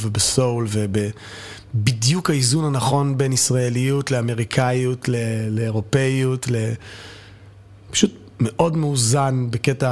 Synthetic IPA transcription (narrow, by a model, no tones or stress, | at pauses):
vebeso̞wlvebe | bidjukhaizunhanaχo̞nbenisʁae̞lijutleame̞ʁikʰajutleleːʁo̞pejutle̞ | pḁʃut | meʔo̞dmeuzanbeketa